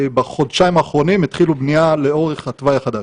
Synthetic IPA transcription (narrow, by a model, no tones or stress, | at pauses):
baχo̞d̪ʃaimaːχʁo̞nimit̪χilubnialeo̞ʁeχatvajaχad̪a